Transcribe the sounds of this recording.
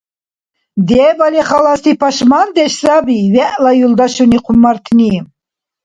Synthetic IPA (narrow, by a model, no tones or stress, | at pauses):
d̪ɛbaliχalast̪ʰipʰaʃmand̪ɛʃsabivɛʔlajuld̪aʃuniqʰumːaɾt̪ʰnim